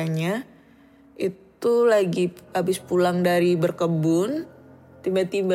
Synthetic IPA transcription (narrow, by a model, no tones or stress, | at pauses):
aɲa | it̪ulaɡiabɪspulaŋdaɾibərkəbʊn | t̪imbat̪imba